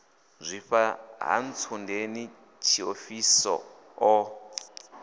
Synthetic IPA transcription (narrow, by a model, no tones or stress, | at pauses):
zʷiɸaɦa̰n̩t͡sʰundeni | t͡ʃʰiofisɔ̰ | ɔ